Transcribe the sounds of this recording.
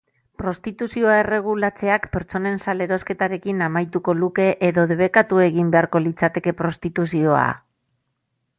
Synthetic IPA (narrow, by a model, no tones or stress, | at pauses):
pɾo̞st̪it̪usio̞ae̞re̞ɣ̞ulat͡se̞akpe̞ɾt͡so̞ne̞nsale̞ɾo̞ske̞t̪aɾe̞kinamajt̪uko̞luke̞ʔeðo̞ðeβ̞e̞kat̪ue̞ɣimbe̞aɾko̞lit͡sat̪e̞ke̞pɾo̞st̪it̪usio̞a̰